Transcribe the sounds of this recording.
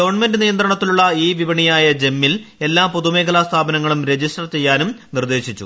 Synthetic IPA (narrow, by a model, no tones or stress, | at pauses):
ɡɐʋɐrɳɐme̞ndɨnijɐnd̪ɾɐɳɐt̪ːiluɭːɐiːʋibɐɳijaːjɐd͡ʑe̞mːile̞lːaːmpo̞ðume̞ːkʰɐlaːst̪ʰaːbɐnɐŋːɐɭumɾe̞d͡ʑisʈɐrt͡ɕe̞jːaːnumnird̪e̞ːɕit͡ɕːṵ